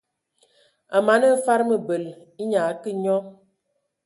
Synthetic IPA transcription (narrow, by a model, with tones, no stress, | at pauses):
a˨ma˨˦nə˦fa˦ɾmə˨bə˨l | i˦ɲa˨˦kə˦ɲɔ˦